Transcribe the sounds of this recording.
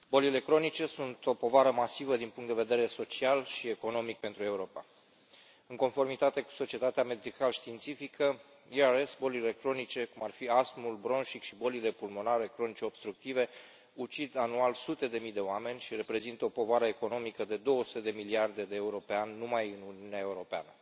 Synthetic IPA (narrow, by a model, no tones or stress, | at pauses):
bo̞lile̞kɾo̞nit͡ʃe̞sunt̪o̞po̞vaɾəmasivəd̪inpuŋkt̪d̪eve̞d̪e̞ɾe̞so̞t͡ʃialʃie̞ko̞no̞mik̚pe̞nt̪ɾue̞uɾo̞pa̰ | ɨŋko̞nfo̞rmit̪at̪e̞ku̥so̞t͡ʃiet̪at̪eame̞d̪ikalʃt̪iːnt̪sifikʰə | iaɾe̞sbo̞lile̞kɾo̞nit͡ʃe̞kumarfiasmulbɾo̞nʃikʃibo̞lile̞pulmo̞naɾe̞kɾo̞nit͡ʃe̞o̞b̥st̪ɾuk̚t̪ive̞ | ut͡ʃid̪anualsut̪e̞d̪e̞mijd̪e̞oame̞nʲʃire̞pɾe̞zint̪əopo̞vaɾəe̞ko̞no̞mikəd̪e̞d̪o̞wəsu̥t̪e̞d̪e̞miliard̪e̞d̪eːuɾo̞peanʲːumajɨnuniuneae̞uɾo̞pea̰nə